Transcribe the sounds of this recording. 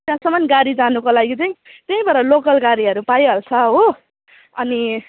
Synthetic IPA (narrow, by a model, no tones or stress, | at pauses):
t̪jãsʌmʌnɡaɾid͡zanukolaɡit͡sʌĩt̪ʌ̃ĩbʌɾʌlokʌlɡaɾiʌɾupajɦʌlt͡sʰʌɦo | ʌni